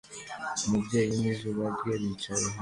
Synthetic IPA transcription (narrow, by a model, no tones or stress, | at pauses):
mubɟe̞ːjimizuːβaɾeβit͡ʃajeɦa